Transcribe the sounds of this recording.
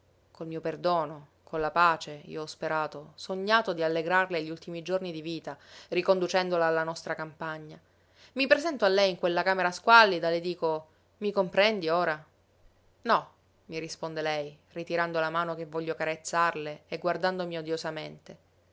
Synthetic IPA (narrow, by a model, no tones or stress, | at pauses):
kolmiːoperd̪oːno | kolːapaːt͡ʃeḭːoɔspeɾaːt̪osoɲːaːt̪od̪ialːeɡɾarleʎːult̪imid͡ʒornid̪iviːt̪arikond̪ut͡ʃɛnd̪olaːlːanɔst̪ɾakampaɲːa | mipɾezɛnt̪oalːɛjiŋkwelːakaːmeɾaskwalːid̪aled̪iːko | mikompɾɛnd̪ioːɾa | nɔ | miɾispond̪elɛj | rit̪iɾand̪olamaːnokevːɔʎːokaɾet̪sːarleeɡward̪and̪omiod̪jozament̪e